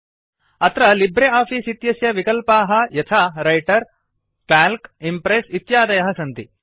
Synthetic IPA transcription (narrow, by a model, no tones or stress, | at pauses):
ɐt̪ɾɐlibɾeaːpʰiːsit̪jɐsjɐʋikɐlpaːɦɐ̆jɐt̪ʰaːɾɐjʈɐɾ | ʈaːlkimpɾeːsit̪jaːd̪ɐjɐɦɐsɐnt̪i